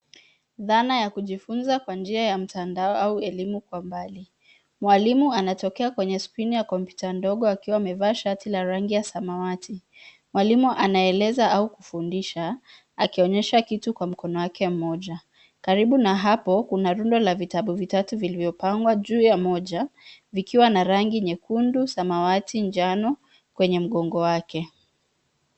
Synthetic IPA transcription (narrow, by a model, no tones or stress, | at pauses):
ðanajakuʄifunzakwand͡ʒiajam̩tʰandaɔauɛlimukwambali | mwalimuanatɔkɛakwɛɲɛspinijakɔmpju̥tandɔɠɔakiwaːmɛvaːʃatilaɾaŋɡijasamawati | mwalimuʔanaɛlɛzaaukufundiʃa | akiɔɲɛʃakitukwam̩kɔnɔwakɛm̩mɔʄa | kaɾiɓunaɦapɔkunaɾundɔlavitaɓuvitatuvilivjɔpaŋɡwaʄuːjamɔʄavikiwanaɾaŋɡiɲɛkundusamawatind͡ʒanɔ | kwɛɲɛm̩ɠɔŋɡɔwakɛ